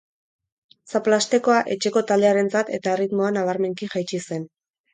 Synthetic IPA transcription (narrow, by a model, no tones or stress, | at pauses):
saplast̪e̞ko̞aʔe̞t͡ʃe̞ko̞t̪ald̪e̞aɾe̞nt͡sat̪e̞t̪ae̞rit̪mo̞anaβ̞aɾme̞ŋkiʝajt͡ʃise̞n